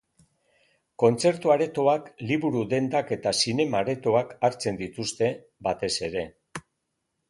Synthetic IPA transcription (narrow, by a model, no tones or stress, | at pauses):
ko̞nt͡se̞ɾt̪uaɾe̞t̪o̞akliβuɾuðe̞nd̪ake̞t̪asine̞maːɾe̞t̪o̞akaɾt͡se̞nd̪it̪ust̪e̞ | bat̪e̞se̞ɾe̞